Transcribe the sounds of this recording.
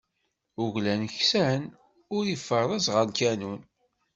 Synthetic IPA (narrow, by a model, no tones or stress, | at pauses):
ʊʝlænəçsæn | ʊɾjəfːəɾˤðˤæzʁənkænun